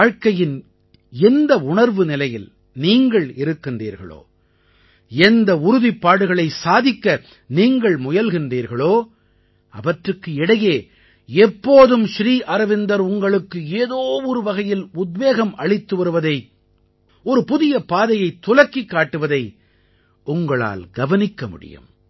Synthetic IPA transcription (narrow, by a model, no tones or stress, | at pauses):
aːɻkɐjɪn | ɛnd̪ɐʊɳɐɾʋɯnɪlɐjɪl | niːŋɡɐɭɪɾɯkːɯndḭːɾɣɐ̰ɭo̰ː | ɛnd̪ɐʊɾʊðipːaːɽɯɣɐɭɐɪsaːðɪkːɐ | niːŋɡɐɭmʊjɐlɣɪnriːɾɣɐɭoː | ɐ̰ʋɐʈrɯkːɯɪɽɐjeː | ɛpːoːðɯmʃɾiːʔɐɾɐʋɪnd̪ɐɾʊŋɡɐɭɯkːɯeːðoːɔɾɯʋɐɣɐjɪlʊd̪ʋeːɣɐmɐɭɪt̪ːɯʋɐɾɯʋɐðɐɪ | ɔɾɯpʊðɪjɐpaːðɐjɐɪt̪ːʊlɐkːikːaːʈːɯʋɐðɐɪ | ʊŋɡɐɭa̰ːlɡɐʋɐnɪkːɐmʊ̰ɽɪ̰jɯ̰m